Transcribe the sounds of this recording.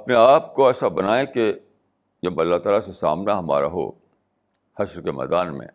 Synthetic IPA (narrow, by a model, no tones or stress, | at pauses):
ɐpneaːp̚koɛːsabɐnaːẽke | d͡ʒɐbɐlːat̪aːlasesa̰ːmnaɦɐma̰ːɾa̰ɦo̰ː | hɐʃɾkemɛ̰ːd̪aːnmḛ̃ː